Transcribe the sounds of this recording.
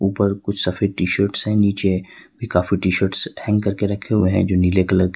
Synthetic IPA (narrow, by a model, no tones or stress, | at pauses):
uːpəɾkʊt͡ʃʰsɐfʰeːʈiːʃəɾʈsɦɛ̃niːt͡ʃebʱikaːfiʈiːʃəɾʈshɛ̃ŋɡkɐɾkeɾɐkʰːeeɦɛ̰̃d͡ʒoːnɪlekɐləɾ